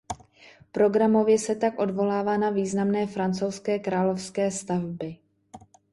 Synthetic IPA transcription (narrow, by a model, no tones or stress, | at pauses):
pɾo̞ɡɾamo̞vjɛsɛt̪akʔo̞dvo̞laːvaːnaviːznamnɛːfɾant͡so̞wskɛːkɾaːlo̞fskɛːst̪avbɪ